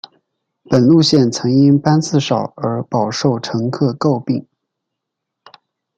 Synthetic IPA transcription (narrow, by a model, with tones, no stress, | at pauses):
pə˨˩nlu˥˧ɕjɛ˥˩nt͡sʰɤ˧˥ŋi˥ŋpa˥nt͡sɹ̩˥˩ʂɑ˨˩ʊə˞˧˥pɑ˨˩ʊʂo˥˩ʊʈ͡ʂʰɤ˧˥ŋkʰɤ˥˧ko˥˧ʊpi˥˩ŋ